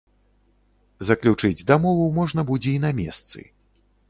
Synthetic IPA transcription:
zɐklʲut͡ʂɨd͡zʲd̪ɐmɔvumɔʐnɐbud͡zʲɛinamʲɛ̰st̪sɨ̰

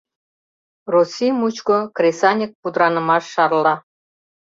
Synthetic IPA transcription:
rusʲimut͡ɕkokrʲesɑnʲik̚pud̪ɾɑnə̆mɑʃːɑrlˠɑ

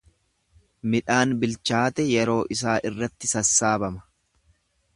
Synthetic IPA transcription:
mɪᶑaːnbɪlt͡ʃaːt̪ɛjɛɾo̞ːʔɪs̬aːʔɪrːɐt̪ːɪsɐsːaːbɐmɐ̥

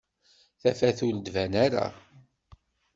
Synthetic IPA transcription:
θæfæθuld̪vænaɾa̰

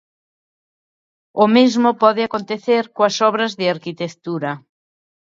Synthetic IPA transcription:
ʊmezmʊpɔðɪakont̪eθeɾkoɐsɔβ̞ɾɐzðɪaɾkit̪ekt̪uɾɐ

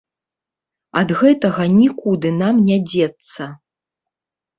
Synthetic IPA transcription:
ɐd̪ɣɛt̪ɐɣɐnʲikud̪ɨnamnʲad͡zʲɛt̪sːɐ

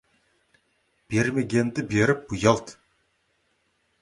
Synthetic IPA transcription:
b̥e̞ɾmeɡʲe̞nd̪ɪbeɾɪp̚bujɑlˠt̪

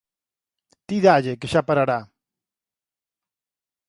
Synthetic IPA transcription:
t̪iðaʎekeʃapaɾaɾa

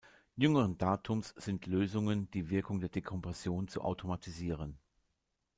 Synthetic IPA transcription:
jʏŋəʁəndaːtʰʊmsz̥ɪntʰløːzʊŋənd̥iːvɪɐkʊŋdeːɐdekʰɔmpʁɛsjoːnt͡sṵʔa̰ʊtʰomatʰiziːʁ̞ən

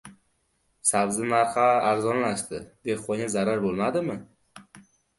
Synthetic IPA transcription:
sabzɪnaɾχaːɾzɒnlaʃt̪ɪd̪e̞qɒazaɾaɾbolˠmad̪ɪmɪ

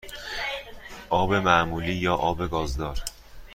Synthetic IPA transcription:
ʔɒːbe̞mæʔmuːliːjɒːʔɒːbe̞ɡɒːzd̪ɒːɾ

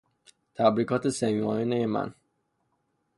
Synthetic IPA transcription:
t̪ʰæbɾiːkʰɒːt̪ʰesemimɒːjinejemæ̰n

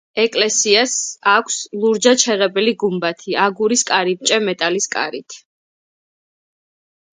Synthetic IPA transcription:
ɛkʼlɛsiasakʷʰslˠuɾd͡ʒat͡ʃʰɛʁɛbɛliɡumbat̪ʰiaɡuɾiskʼaɾip̚t͡ʃʼɛmɛt̪ʼaliskʼa̰ɾit̪ʰ

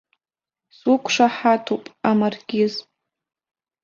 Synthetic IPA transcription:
swʊkʷʰʂaħatʰopʼamarɡʲɪz

